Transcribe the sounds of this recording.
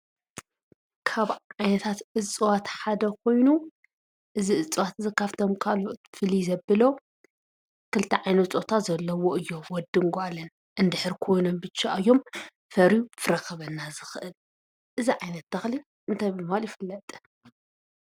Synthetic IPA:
kʰaβʕajnɐt̪ʰat̪ʔɨt͡sʼɨwat̪ħad̪ɐkʰo̞jnu | ʔɨziʔɨt͡sʼɨwat̪zɐkːaft̪ʰomkʰaloʔt̪fɨlizɐbːɨlo̞ | kʰɨlt̪ʰɐʕajnɐt̪t͡sʼot̪ʰat̪zɐlːɐwo̞ɨjːo̞wɔd̪ɨŋɡoalːɐn | ʔɨnd̪ɨħɨɾkʰo̞jno̞mbɨt͡ʃːaʔɨjːo̞m | fɐɾjufɨɾɐkɐβɐnːazɨxɨʔɨl | ʔɨziʕajnɐt̪ːɐxli | ʔɨnt̪ʰajbɨmhaljɪfɨlːɐt̪ʼ

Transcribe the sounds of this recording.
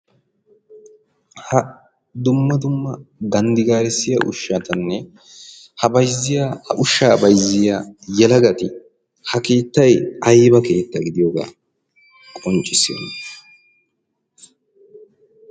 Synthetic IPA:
hɐ | d̪ʊmːɐd̪ʊmːɐɡɐnd̪ɪɡaːɾɛsːɪja̰ʔʊ̰ʃːat̪ɐnːɛ | hɐbɐjzːɪjaːhɐʔʊʃːaːbɐjzːɪjaːjɛlɐɡɐt̪ɪ | hɐke̞ːt̪ːɐjɐjbɐke̞ːt̪ːɐɡɪd̪ɪjoɡa̰ː | kʼɔnt͡ʃʼːɪsːɪɔ̰nːɐ

